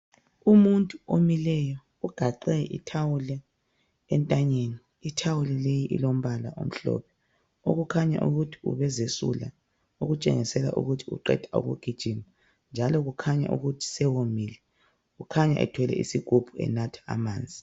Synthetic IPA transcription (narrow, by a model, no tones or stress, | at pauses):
umuntʼuomilɛjɔ | uɡ̥ʱaǃɛʔḭtʰawulɛ | ɛntʼaɲeniːtʰawulɛlejiʔḭlom̩βalaʔom̩ɬɔ̰ːpʰɛ̥ | oɣukʰaɲa̰ʔṵɣutʰi̥ṵβɛzesṵla̰ | oɣut͡ʃʼɛ̰ŋisɛla̰ʔṵɣutʰiṵǃɛ̰dtʰʼao̰ɣṵɡ̥ʱid̥ʒ̥ʱima | nd͡ʒʱalɔɣukʰaɲa̰ʔṵɣutʰi̥sɛwomiːlɛ | ɣukʰaɲa̰ʔɛ̰tʰwɛlɛ̰ʔḭsiɡ̥ʱub̥ʱuɛ̰natʰḁa̰maːnd͡zʱi